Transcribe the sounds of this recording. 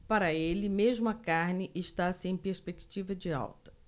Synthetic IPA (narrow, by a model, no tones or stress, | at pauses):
paɾɐelɪmeʒmʊɐkaɾnɪʔɪʃt̪asɪẽj̃peɾspekt͡ʃivɐd͡ʒɪa̰wt̪ɐ̥